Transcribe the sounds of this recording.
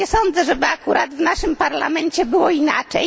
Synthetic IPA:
ɛsɔnd̪zɛʐɛbɘakuɾʔad̪vnaʂɘmpaɾla̰mɛnt͡ɕɛbɘwɔina̰t͡ʂɛ̰j

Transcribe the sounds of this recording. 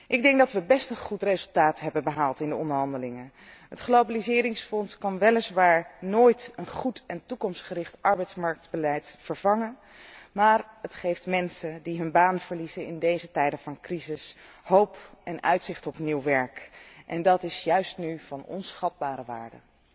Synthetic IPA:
ʔɪɡ̚dɛŋk̚dɑtʋəbɛstənχutrejzɵlˠtaːtɦɛbənbəɦaːlˠtɪndəɔndəɹɦɑndəlɪŋə | ɦətχlowbalizɪːɾɪŋsfɔnskɑnʋɛlɪsʋaːɹnoːjtənχutɛntukɔmstχəɾɪχtʔɑɹbɛjtsmɑɹk̚tbəlɛjtfəɹvɑŋən | maːrətχejftmɛnsəndiɦɵnbaːnv̥əɹlizənɪ̰ndejzətɛjdəvɑnkrizɪsɦowpɛnœɥtsɪχtɔpniwʋɛɹkʔɛndɑtɪsjœɥstnyv̥ɑnɔ̰nsχɑd̚baːɾəʋa̰ːɹdə̰

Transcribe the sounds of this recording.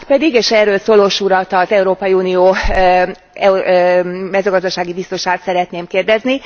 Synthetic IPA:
t̪pɛd̪iɡeːʃɛːrøːlsoːloːʃuɾɒt̪ɒzɛuɾoːpɒjiuːnioː | ɛ | mɛzøːɡɒzd̪ɒʃaːɡibist̪o̞ʃaːt̪sɛɾɛt̪neːmkeːrd̪ɛzni

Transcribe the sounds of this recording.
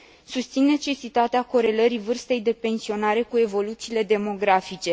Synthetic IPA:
sust̪sinːe̞t͡ʃe̞sit̪at̪eako̞ɾe̞ləɾivɨrst̪e̞jd̪e̞pe̞nsio̞naɾe̞kue̞vo̞lut̪siːle̞d̪e̞mo̞ɡɾafit͡ʃe̞

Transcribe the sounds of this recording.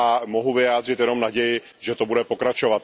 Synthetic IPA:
amo̞ɦuvɪjaːd̪r̝ɪt̪jɛno̞mnaɟɛjɪ | ʒɛt̪o̞budɛpo̞kɾat͡ʃo̞vat̪

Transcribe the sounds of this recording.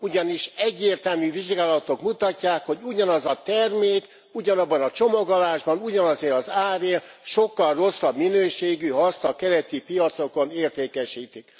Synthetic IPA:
uɟɒniʃɛɟːeːrt̪ɛlmyviʒɡaːlɒt̪o̞kmut̪ɒcːaːkho̞ɟuɟɒnɒzɒt̪ɛrmeːk | uɟɒnɒbːɒnɒt͡ʃo̞mo̞ɡolaːʒbɒnuɟɒnɒzeːɾɒzaːɾeːlʃo̞kːɒlro̞sːɒbminøːʃeːɡyɦɒst̪ɒkɛɾɛt̪ipijɒt̪so̞ko̞neːrt̪eːkɛʃiːt̪ik

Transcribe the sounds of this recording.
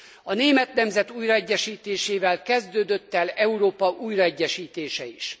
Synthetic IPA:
ɒneːmɛt̪nɛmzɛt̪uːjrɒɛɟːɛʃiːt̪eːʃeːvɛlkɛzd̪øːd̪øt̪ːɛlɛuɾoːpɒʔuːjrɒɛɟːɛʃiːt̪eːʃɛiʃ

